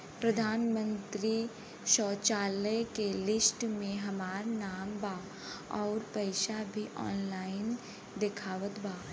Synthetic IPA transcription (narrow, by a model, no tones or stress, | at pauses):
pɾəd̪ʱaːnmə̃nt̪ɾi | ʃɔːt͡ʃaːlekelɪsʈmẽɦɐmaːɾnaːmbaː | ɔːɾpɐɪʃabʱiʔɔ̰ːnlaːɪn | d̪ɪkʰaːʋət̪baː